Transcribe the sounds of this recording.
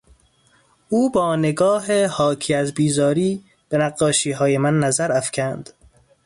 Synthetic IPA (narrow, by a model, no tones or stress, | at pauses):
ʔuːbɒːneɡɒːɦehɒːcʰiːæzbiːzɒːɾiː | b̥enæɡːɒːʃiːɦɒːjemænːæzæɾæfcʰænd̪̥